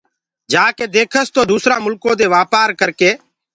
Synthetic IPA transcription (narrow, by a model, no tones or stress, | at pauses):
d͡ʒaːkeːd̪eːkʰəst̪oːd̪uːsɾãːmʊlkõːd̪eːʋaːpaːɾkəɾkeː